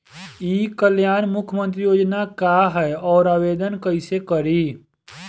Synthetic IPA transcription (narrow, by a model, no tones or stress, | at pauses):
iːkəljaːnmʊkʰjəmə̃nt̪̬ɾijoːd͡ʒnakaɦɛɔːɾaːweːd̪ənkəɪsekəɾiː